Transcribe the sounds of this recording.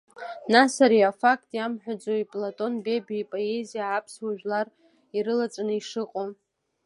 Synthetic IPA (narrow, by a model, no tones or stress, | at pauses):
nasaɾiafakʼtʼjamħᶣad͡zoipʼlatʼo̞nbe̞biipʼo̞e̞zijaːpʰswaʒᶣlar | iɾɨlat͡sʼanɨiʂɨqʼo